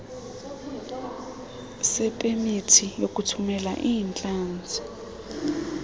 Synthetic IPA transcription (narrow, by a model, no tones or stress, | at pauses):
sɛpʼemitʰijokʼutʰumɛla̰ʔiːnt͡ɬʼaːnd͡zʱi